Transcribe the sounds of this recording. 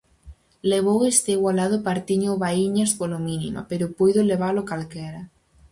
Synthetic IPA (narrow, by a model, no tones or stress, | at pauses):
leβowest̪eiɣwalað̞ʊpaɾt̪iɲʊβaiɲaspolominḭmo̰peɾʊpujðoleβ̞alʊkalkɛɾa